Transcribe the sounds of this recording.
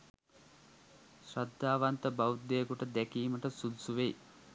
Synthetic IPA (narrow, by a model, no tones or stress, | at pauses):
sɾad̪ːaːʋant̪əbawud̪ːejkuʈəd̪ækiːməʈəsud̪usuʋej